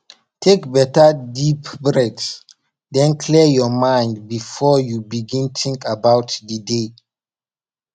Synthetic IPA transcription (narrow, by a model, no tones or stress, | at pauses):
tʰekbɛtadipbɹɛts | dɛ̃nkʰlijɔmãjndbifɔjubiɡĩntĩŋkabawtdəde